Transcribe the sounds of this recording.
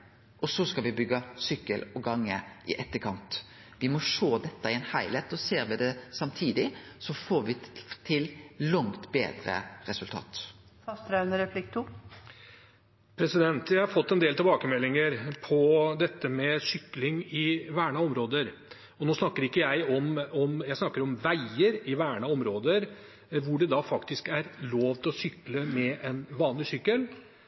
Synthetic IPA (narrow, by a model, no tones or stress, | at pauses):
ʔɔsɔskɑʋɪbʏɡːɑsʏkːəlɔɡɑŋːə̰ʔɪ̰ʔɛt̪ːəkʰɑnt̪ | ʋɪmɔʂoːd̪ɛt̪ːəɪɛnhæɪlet̪ɔseːɾʋɪd̪ɛsɑmt̪ʰiːd̪ɪsɔfoːɾʋɪt̪ʰɪllɑŋt̪bḛːd̪ɾə̰ɾɛsʉlt̪ʰɑ̰ːt̪ | fɑst̪ɾœnəɾɛflɪk̚t̪ʊ | pʰɾɛsɪd̪ɛnt̪jæɪhɑɾfɔt̪ːɛnd̪eːlt̪ɪlbɑːkəmɛlːɪŋəɾpʰɔd̪ɛt̪ːəmɛsʏklɪŋɪʋæːɳɑɔmɾoːd̪əɾ | ɔnoːsnɑkːəɾɪkːəjæɪɔmɔmjæɪsnɑkːəɾɔmʋæɪəɾɪʋæːɳɑɔmɾoːd̪əɾ | ʋʊɖɛd̪ɑfɑkt̪ɪskæɾloːʋt̪ʰɪlɔsʏkləmɛʔɛnʋɑːnlɪsʏkːəl